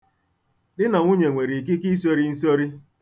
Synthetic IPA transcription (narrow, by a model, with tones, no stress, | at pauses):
dɪ˦na˨ŋʷʊ˦ɲe˨ŋʷe˨ɾi˨k̬i˦ki˦s̬o˦ɾi˦n̩˦so˦ɾi˦